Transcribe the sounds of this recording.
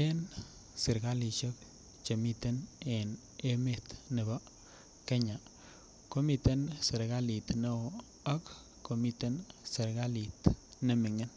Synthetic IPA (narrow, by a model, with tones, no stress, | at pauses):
e˦n | sɪ˨ɾɡa˦li˨ʃɔ˦k | t͡ʃe˨mi˦t̪e˦ne˨n | e˦me˦t̪nɪ˨ba˦ | ke˦ɲa˨ | ko˦mi˨t̪e˦nsɪ˨ɾɡa˦li˨t̪no˦ | a˦k | kːo˨mi˦t̪e˦nsɪ˨ɾɡa˦li˨t̪nɪ˨mɪ˨ŋe˦n